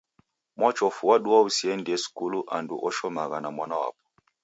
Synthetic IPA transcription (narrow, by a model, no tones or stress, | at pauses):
mwɔt͡ʃɔfuwaɗuwausiɛndiɛsi̥kuluʔandṵʔɔʃɔmaɣanamwanawa̰p̚ɔ̥